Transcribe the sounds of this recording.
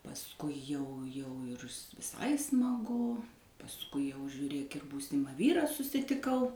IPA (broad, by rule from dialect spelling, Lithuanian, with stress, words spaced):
pɐsˈkʊɪ ˈjɛʊ jɛʊ ɪr ʋʲɪˈsɐɪ smɐˈɡʊ pɐsˈkʊɪ jɛʊ ʒʲuːˈrʲeːk ɪr ˈbuːsʲɪmɐ ˈʋʲiːrɑː sʊsʲɪtʲɪˈkɐʊ